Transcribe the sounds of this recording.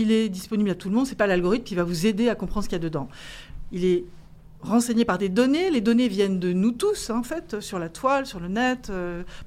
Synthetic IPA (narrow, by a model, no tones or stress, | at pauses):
ilɛd̪ispɔniblat̪ulmɔ̃d̪sɛpalalɡɔʁit̪mkʲivavuzed̪eakɔ̃pχɑ̃d̪ʁsəkijad̪əd̪ɑ̃ | ilɛ | ʁɑ̃seɲepaʁd̪ed̪ɔneled̪ɔnevjɛnd̪ənut̪usɑ̃fɛt̪øsyʁlat̪walsyʁlənɛt̪ø